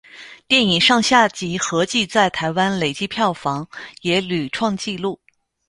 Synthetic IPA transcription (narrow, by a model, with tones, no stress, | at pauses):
t̪jɛ˥˩ni˨˩ŋʂɑ˥˧ŋɕja˥˩t͡ɕi˧˥xɤ˧˥t͡ɕi˥˧t͡sa˥˩ɪt̪ʰa˧˥ɪwa˥nle˨˩ɪt͡ɕi˥˧pʰjɑ˥˩ʊfɑ˧˥ŋjɛ˧˥ly˨˩ʈ͡ʂʰwɑ˥˧ŋt͡ɕi˥˧lu˥˩